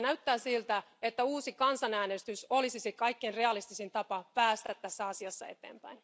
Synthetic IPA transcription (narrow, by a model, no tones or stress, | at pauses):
næyt̪ːæːsilt̪æ | et̪ːæuːsikɑnsɑnæːnest̪yso̞lisisikɑikːeinreɑlist̪isint̪ɑpɑpæːst̪æt̪t̪æsːæɑsiɑsːɑ̰e̞t̪e̞̰ːmpæ̰jn